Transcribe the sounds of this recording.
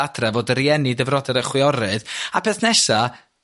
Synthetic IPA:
adrɛvoːdəɾjɛnidəvrɔdɛɾəχwɪɔɾɨðapʰeːθnɛʃa

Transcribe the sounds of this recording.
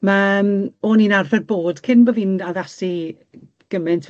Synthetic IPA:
mamoːninarvɛdboːd̥kʰɪnbovinaðasi | ɡ̥əmɪntʰ

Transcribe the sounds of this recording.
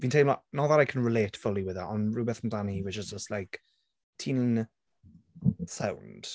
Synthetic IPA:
b̥ĩːntʰelmlanoðəɾajkʰə̃nɹɪleːtfʊlˠiwɪðəʔənɹuːbɛθn̩daniwəd͡ʒəzd͡ʒəstˡlaɪk | tʰiːnəɪnə | sãwnd̥

